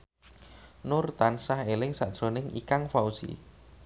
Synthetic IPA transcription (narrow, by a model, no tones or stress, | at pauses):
nʊrt̪ansahelɪŋsaʔd̥ʒ̥ɾo̤nɪŋḭkaŋfausḭ